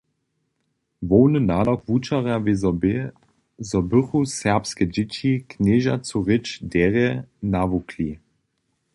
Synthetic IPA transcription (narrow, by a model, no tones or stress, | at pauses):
vɔwnənaːdɔkvut͡ʃaʁavez | zɔbɵχusɛʁpskɛd͡ʒɪt͡ɕikʰneʒat͡suʁɪt͡ʃdɛʁɛnavukʰli